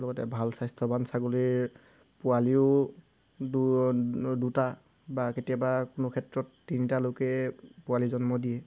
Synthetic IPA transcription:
lɔɡɔtɛ̰bʱalsajstʰɔbansaɡoliɹ | pʊaliʊ | d | duta | baketijabakʊnokʰɛtɹɔtːinitalokɛpʊalizɔnmɔdijɛ

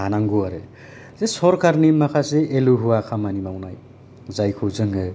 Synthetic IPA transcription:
ɦanaŋɡuaɾe | t͡sesoɾkʰarnimːakʰaseʔeluɦuwakʰamanimawnaj | d͡zajkʰud͡zʌŋe

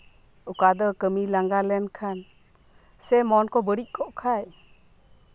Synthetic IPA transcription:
ukad̪ɔkəmilaŋɡalɛnkʰan | sɛmɔnkɔbəɾic̚ˀkʰɔʔkʰaj

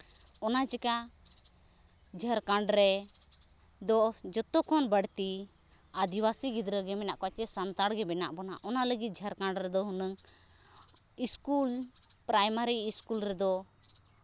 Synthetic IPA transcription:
ɔnad͡ʒɛka | d͡ʒʱəɾkaɳɖɾɛ | d̪ɔd͡ʒɔt̪ɔkʰɔnbəɽt̪i | ad̪iwasiɡid̪ɾəɡɛmɛna̰ʔkɔt͡ʃɛsant̪aɽɡɛbɛna̰ʔbɔna̰ʔɔnaləɡit̪̚d͡ʒʱəɾkaɳɖɾɛd̪ɔɦunəŋ | iskul | pɾajmaɾiːskulɾɛd̪ɔ

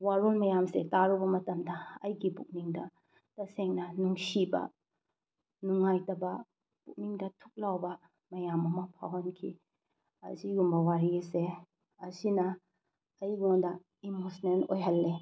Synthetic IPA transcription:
waɾolmɐjamsetaɾubɐmɐtɐmdɐɐ̰jɡibuk̚niŋdɐ | tɐseŋnɐnuŋsibɐ̰ | nuŋajtɐbɐ | puk̚niŋdɐtʰu̥k̚lawbɐ | mɐjamɐmɐpʰawɐnkʰḭ | ɐ̰ziɡumbɐwaɾiɐse | ɐsinɐ | ɐjŋondɐ | imosnenojɦɐlːe

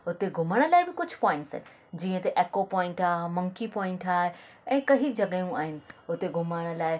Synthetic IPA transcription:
ʊt̪eɡʱʊməɽ̃ə̆laːɪbɪkʊd͡ʑʱpɔːɪ̃ɳʈsə̰ːnɪ̆ | d͡ʑĩːə̃t̪eʔeːkopɔːɪ̃ɳʈaːɦmɐŋkipɔ̃ːɪ̃ɳʈaːɦe | ɛ̃ːkɐɦid͡ʑɐɠəjũaːɦɪnɪ̆ʊt̪eɡʱʊməɽ̃ə̆laːɪ

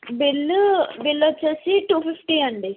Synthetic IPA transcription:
bilːbilːɐt͡ʃɐlsiʈuːfifʈiːɐɳɖi

